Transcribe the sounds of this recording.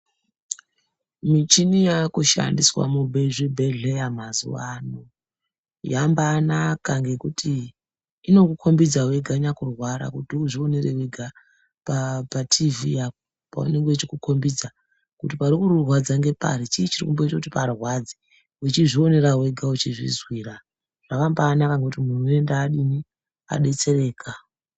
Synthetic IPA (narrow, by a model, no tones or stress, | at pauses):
mit͡ʃinijakuʃa̰ndiswa̰mubʱeiʐibʱe̞ɮejamazṵwano | jambanakaŋɡe̞kutʰiː | no̞kukʰo̞mbid͡zaweɡʱaɲakurwaɾa̰kutiuʐio̞nereweɡʱa | papatʰivijako̥ | pa̰ṵne̞ŋɡet͡ʃikukʰo̞mbid͡za | kutipaɾikuɾurwad͡zaŋɡe̞pa̰ɾit͡ʃiːt͡ʃirikumbo̞itakutiparwad͡zi | wut͡ʃiʐio̞ne̞ɾawe̞ɡʱaut͡ʃiʐḭzwiːra | ʐ̥akambaːnakaŋɡekutimurue̞ndaːɗini | a̰ɗe̞t͡se̞re̞ːkʰa